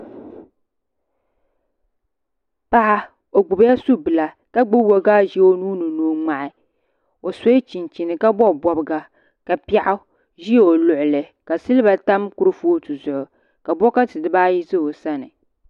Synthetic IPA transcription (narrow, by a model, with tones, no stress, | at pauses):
pa˦ʔa˦ | o˨ɡ͡bʊ˨bja˦su˦bɨ˨la˨ | ka˦ɡ͡bʊ˦bo˦ɡaː˦ʒi˦o˦nuː˦nɨ˨nuː˨ŋ͡ma˨ʔɪ˨ | o˨so˦ɪ˦t͡ʃi˨nt͡ʃi˨nɨ˨ka˦bɔ˦˨bɔ˨bɨ˦ɡa˨ | ka˨pi˦a˦ʔʊ˦ | ʒi˦˨o˨lʊ˨ʔʊ˨lɨ˨ka˨sɨ˦lɨ˦ba˨ta˦mku˦ɾɨ˦foː˦tu˨zʊ˨ʔʊ˨ | ka˨bɔ˦ka˦tɨ˨dɨ˨˦baː˦ji˦zɨ˦o˨sa˦nɨ˨